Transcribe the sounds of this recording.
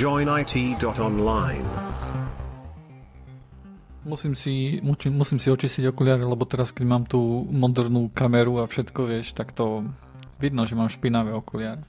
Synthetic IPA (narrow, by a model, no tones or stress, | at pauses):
d͡ʒɔ̃ɪ̃naɪtʰiːdɔtɔ̃nlãɪ̃n | musiːmsimut͡ʃimːusiːmsiɔt͡ʃisciɟɔkulɪaːɾalɛbɔt̪ɛɾaskɛɟmaːmt̪uːmɔd̪ɛɾnuːkamɛɾuafʃɛt̪kɔʋɪɛʃt̪akt̪ɔʋid̪nɔʒɛmaːmʃpinaʋɛɔkulɪaɾɛ